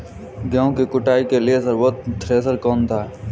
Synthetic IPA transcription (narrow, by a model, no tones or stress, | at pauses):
ɡãːõkikʊʈaːikeliesəɾwət̪̚t̪ɾeːs̬əɾkɔːnt̪ʰaː